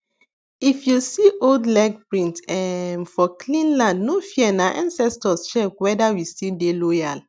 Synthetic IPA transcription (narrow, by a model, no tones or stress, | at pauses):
ifjusiʔoldlɛɡ̚pɹĩntɛmfɔklĩnlãndnofiɛnaʔã̰nsɛstɔsʃɛkwɛdawistidelɔjal